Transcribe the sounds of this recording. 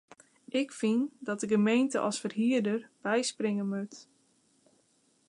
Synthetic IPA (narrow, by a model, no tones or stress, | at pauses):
ʔɪkfindɔt̚dəɡəmejntə̰ʔɔ̰sfərɦiərdərb̥ɛjsprɪŋəmøt